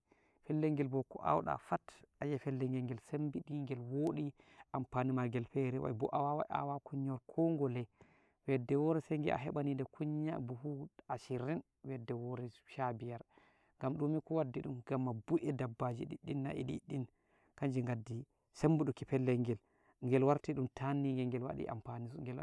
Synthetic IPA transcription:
fɛlːɛŋɡɛlbɔkɔ̰ʔa̰wɗa̰fatʔajɛfɛlːɛŋɡɛŋɡɛlsembiɗiŋɡɛlwoːɗiʔampanimaɾɡɛlfɛɾɛwa̰jbɔ̰ʔawawa̰a̰wakuɲːɔɾkʰɔŋɡɔlɛ | wɛdɛwɔɾɛseŋɡḭʔa̰ɦɛɓanindɛkʰuɲːabuhuaʃiɾin | wɛdɛwɔɾɛʃabijaɾ | ŋɡamɗumikɔwadːiɗumɡ̥amːabuʔɛdabːad͡ʒḭɗḭɗinːa̰ʔḭɗḭɗːin | kaɲd͡ʒiŋɡadːi | sembuɗukipɛlːɛŋɡɛl | ŋɡɛlwaɾtiɗumtʰanːiŋɡɛŋɡɛlwa̰ɗḭʔa̰mpaniŋɡɛla

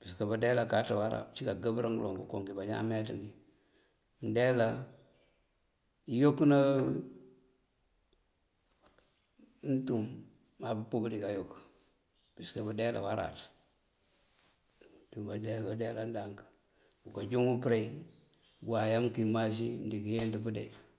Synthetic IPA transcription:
b̥iskabadelakatawaɾa̰t͡ʃikaɡabɾaŋɡlo̰ŋɡukoŋɡibaɲa̰metiŋɡi | ndela | jokːna | n̩tumː | abupubudikajokː | b̥iskabudela̰waɾa̰t | d̥ubadeɡadelandaŋkḁ | bukad͡ʒuŋupɾei | ɡwajamkimas̬indikijendibudḛ

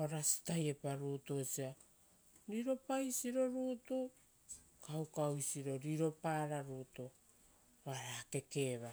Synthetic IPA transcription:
oɾasi̥tajepaɾuːtosia | ɾiɾo̞pajsiɾo̞ɾuːtu | kawkawjsiɾo̞ɾiɾo̞paːɾaɾuto | aɾaːke̞ke̞βa

